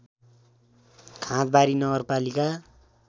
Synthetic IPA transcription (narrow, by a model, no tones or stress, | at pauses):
kʰãt̪̚baɾinʌɡʌrpalika